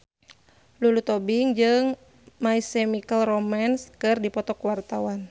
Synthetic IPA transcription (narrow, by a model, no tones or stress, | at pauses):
lulut̪ɔbiŋd͡ʒɨŋ | maisɛmikəlrɔmanskɨrdipɔt̪ɔkwart̪awan